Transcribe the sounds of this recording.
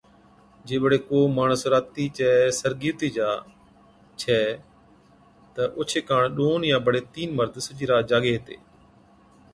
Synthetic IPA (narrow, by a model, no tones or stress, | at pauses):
d͡ʒeːɓəɽeːkoːmaːɳəsɾaːt̪iːt͡ʃɛːsəɾɡiːɾt̪iːd͡ʒaː | t͡ʃʰɛː | t̪əʔʊːt͡ʃʰeːkaːɳɗoːnjãːbəɽeːt̪iːnməɾd̪sʊd͡ʒiːɾaːd͡ʒaːɡeːɦt̪ḛː